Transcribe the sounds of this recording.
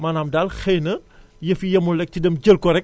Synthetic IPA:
maːnaːmdaːlxɛjnɐ | jɐfijɐmulɛk̚tidɐmɟəlkɔɾɛk̚

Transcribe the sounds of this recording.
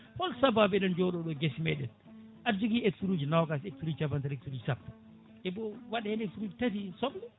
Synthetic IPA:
fɔlsababɛɗɛnd͡ʒɔɗɔɗɔɡɛsimɛɗɛn | ʔad͡ʒuɡieksuɾuːd͡ʒinawkaseksuɾuːd͡ʒt͡ʃabantaleksuɾuːd͡ʒsapː | ɛbɔwaɗhɛneksuɾuːd͡ʒitat̬isɔmlɛ

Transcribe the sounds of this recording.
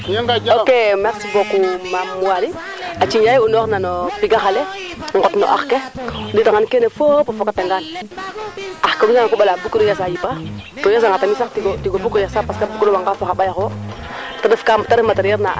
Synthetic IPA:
jaŋɡad͡ʒokemeksifokumamuwaɾi | at͡ʃiɲjajunoxnanopiɡaxale | ŋɡotno̰ʔa̰xkeditaŋankenefopafokataŋɡan | axkabisaŋakoɓalabukɾojas̬ajipatojas̬aŋɡatamisaktiɡotiɡobukojasapaskabukɾowaŋɡafoxaɓajaxo | tadəfkamtaɾəmataɾjɛɾna̰

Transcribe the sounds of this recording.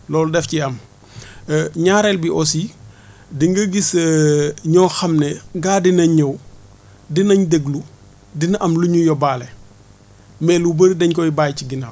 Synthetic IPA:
lɔːldɛfciɐm | ɲaːɾɛlbiʔɔsi | diŋɡɐɡis | ɲɔːxɐmnɛɡaːdinɐɲɐw | dinɐɲdeɡlu | dinʔɐmluɲujɔbaːlɛ | mɛlubəɾidɛɲkɔibaːjciɡinaː

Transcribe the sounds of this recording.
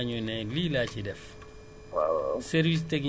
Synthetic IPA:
ɲunɛliːlaːcidɛf | wa̰sɛɾvis̬tɛɡ

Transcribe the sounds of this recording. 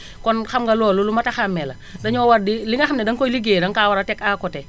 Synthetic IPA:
kɔnxamɡalɔːlulumataxamːɛla | daɲɔwaɾdiliŋaxamnɛdaŋkɔliɡedaŋkawaɾatɛkakɔtɛ

